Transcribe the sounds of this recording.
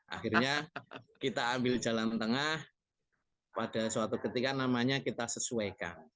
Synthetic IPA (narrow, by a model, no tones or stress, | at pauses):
ʔa̰xirɲakit̪aːmbɪld͡ʒa̤lant̪əŋah | pad̥a̤suat̪ukət̪ikanamaɲakit̪asəsuajka̰n